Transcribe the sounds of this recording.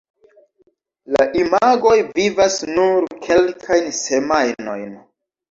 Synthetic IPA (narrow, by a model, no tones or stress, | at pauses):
laʔimaɡo̞jvivasnuɾkʰe̞lkʰajnse̞majno̞̰jn